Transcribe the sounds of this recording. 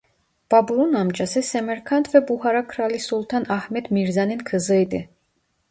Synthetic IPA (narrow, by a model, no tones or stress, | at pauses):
b̥abulunamd͡ʒasɛsɛmɛɾkʰant̪ʰvɛbuhaɾakʰɾalisulˠt̪ʰanahmɛd̪miɾzaninkʰəzəjd̪ɨ